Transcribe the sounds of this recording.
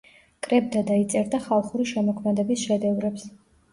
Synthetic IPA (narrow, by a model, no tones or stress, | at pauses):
kʼɾɛb̚d̪ad̪ait̪sʼɛɾd̪aχalˠχuɾiʃɛmɔkʰmɛd̪ɛbisʃɛd̪ɛvɾɛps